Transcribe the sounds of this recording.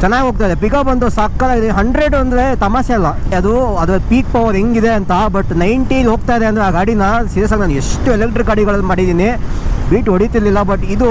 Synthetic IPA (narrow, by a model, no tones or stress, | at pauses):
t͡ʃɐnːaːɡɦo̞ːɡ̚t̪aːjid̪epikabɐnd̪osaːkːɐd̪aːɡid̪eɦɐɳɖɾe̞ɖɐnd̪ɐɾe̞t̪ɐmaːsɐɐlːɐɐd̪uɐd̪ɾɐlpiːk̚pɐʋoːd̪eŋɡid̪eɐnt̪ɐbɐʈnɐjɳʈilɦo̞ːɡ̚t̪aːid̪eɐnd̪ɐɾeaːɡaːɽinɐsiɾes̬aːɡnaːne̞ʂʈuelek̚ʈɾikɐɽiɡɐɭɐlːmaːɽid̪iːnibiːʈɦoɽit̪iɾlːilːɐbɐʈːid̪u